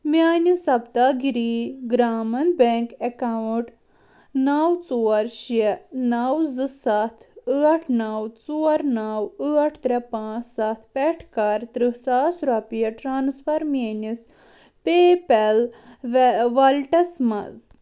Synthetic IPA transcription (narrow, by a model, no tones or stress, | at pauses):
mʲaːnisɐbt̪aːɡiɾiɡɾaːmɐnbeŋkekawʈ | nawt͡suːɐɾʃɛnawzɨsat̪ʰɨɐʈʰnawt͡suɐɾnawɨɐʈʰt̪ɾʲepãːt͡ssat̪ʰpɛʈʰkaɾt̪ɾɨsaːsɾapijɐʈɾaːnsfɐɾmanis | peːpelʋʋɐlʈɐsmɐ̰z